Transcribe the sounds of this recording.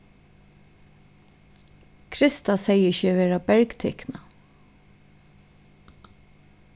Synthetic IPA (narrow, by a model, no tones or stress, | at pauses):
kʰɾɪst̪asɛjːɪçəvɛːɾabɛɹkt̪ʰɛhkna